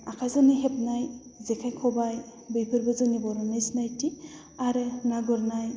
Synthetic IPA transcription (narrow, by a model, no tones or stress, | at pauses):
akʰazɔniɦepnajzɛkʰajkʰɔbaj | bɯjpʰɯɾbɔzɔnibɔɾɔnajsnajti | aɾɯnaɡɔɾnaj